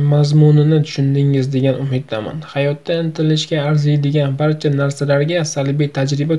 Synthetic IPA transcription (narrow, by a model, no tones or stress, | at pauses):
mazmʊnɪnɪt̪ʰʊ̥ʃʊnd̪ɪŋɪzd̪e̞ɡʲanʊmɪd̪ːama̰nhajɒt̪ʰːaɪnt̪ʰɪlɪʃkʲaːɾzajd̪ɪɡʲanbaɾt͡ʃʰanaɾsalaɾɡʲasalˠbijt̪ʰad͡ʒɾɪba